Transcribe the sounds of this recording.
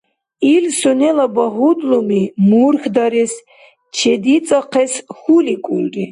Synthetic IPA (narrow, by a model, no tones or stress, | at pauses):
ilsɔnɛlabaɦud̪lumimuɾxd̪aɾɛs | t͡ʃʰɛd̪it̪t͡s̪ʼaqʰɛsxulikʼṵlri